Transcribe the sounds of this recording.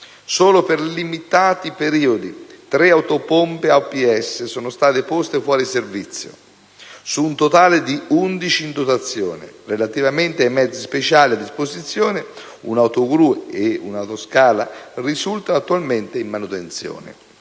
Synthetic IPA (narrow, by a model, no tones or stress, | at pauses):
soːloperlimit̪aːt̪ipeɾiːod̪it̪ɾeawt̪opompeapiɛsːesoːnost̪aːt̪epɔst̪efwɔːɾiservit̪sːjo̰ | suːnt̪ot̪aːlɪd̪iund̪it͡ʃiːnd̪ot̪at̪sːjɔːnɪ̰relat̪ivament̪eajmɛd̪zːispet͡ʃaːliad̪ːispozit̪sːjɔːne | ṵnawt̪oɡɾueeṵnawt̪oskaːlarizult̪aat̪ːualment̪eimːanut̪ent̪sjɔ̰ːnḛ